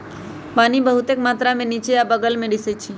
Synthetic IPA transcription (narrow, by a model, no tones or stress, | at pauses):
paːnibəɦut̪ekmaːt̪ɾamẽniːt͡ʃejabəɡəlmẽɖɪsət͡ʃʰi